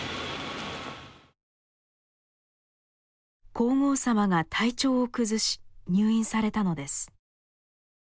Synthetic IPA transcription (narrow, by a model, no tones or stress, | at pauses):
kʰo̞ːŋo̞ːsamaɡat̪ʰait͡ɕo̞ːokɯ̟zɨɕi̥ɲ̟ɨːĩɰ̃saɾe̞t̪ano̞d̪e̞sɨ̥